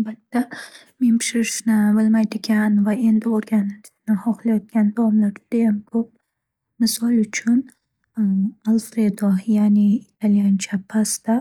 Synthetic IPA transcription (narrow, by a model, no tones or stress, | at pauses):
albat̪ːa | me̞npʰɪ̥ʃɪɾɪʃnɪbɪlmajd̪ɪɡʲanvae̞nd̪ɪoɾɡʲanɪʃnɪhɒχlˠajɒt̪̚kʲand̪avɒmlaɾd͡ʒɪd̪̥ajamkʰɵp̚ | mɪsɒlˠʊt͡ʃʰʊn | alˠfɾe̞d̪ojaniːt̪ʰaljant͡ʃʰapʰast̪a